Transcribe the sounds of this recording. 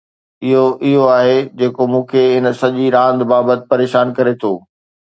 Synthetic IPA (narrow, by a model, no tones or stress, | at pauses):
ɪɦoʔɪɦoaːɦed͡ʑeːkomũːkʰeɪnsɐʄiɾãːnd̪baːbət̪ɪ̥̆pɐɾeːʃaːnkɐɾet̪ʰoː